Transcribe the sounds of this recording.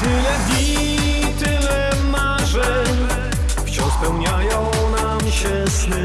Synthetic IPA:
t̪ɪlɛvʲi | t̪ɪlɛ | ma | ʐɛ | ft͡ɕɔ̃spɛwɲajɔ̃w̃ | namɕɛ | sn

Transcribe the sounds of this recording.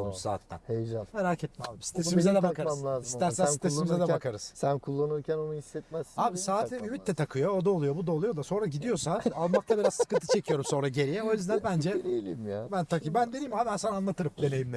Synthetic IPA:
usa̰ːt̪ʰːæ̰nhejd͡ʒanmeɾaːcʰɛt̪̚mɛlˠɯmsi̥t̪ʰesimizɛd̪ɛakaamlʲaːzismt̪æɾsænssieimizɛd̪ɛbakʰaɾɯz̥sænkʰulˠːanuɾcʰʲæno̞nuhisːɛt̪mæzaːbisaːt̪ʰːɛnymit̪ːɛt̪ʰakʰɯjo̞ːd̪aolˠujo̞bud̪alˠujo̞d̪aso̞nɾaɟid̪ijo̞saalˠmak̚t̪ʰabiɾaz̥sɯ̥kɯnt̪ʰɯt͡ʃʰe̞cʰijo̞ɾumso̞nɾaɟe̞ɾijɛo̞jyzd̪ænbænd͡ʒɛd̪ijlʲimjabænt̪ʰakɯbænd̪e̞niːmaːmɛnsananlˠat̪ɯɾɯp̚d̪e̞ne̞jimlʲe

